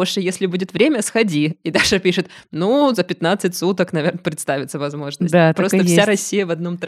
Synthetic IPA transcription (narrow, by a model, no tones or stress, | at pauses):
oʂɨjesʲlʲɪbudʲɪt̪vɾʲemʲəsxɐdʲiid̪aʂɨpʲiʂɨt̪nuzəpʲɪt̪nat̪sɨtʲsut̪əknɐvʲernəpɾʲɪt̪st̪avʲɪt̪səvɐzmo̞ʐnəsʲd̪at̪ɾosəfsʲaɾɐsʲːijəvɐd̪no̞mt̪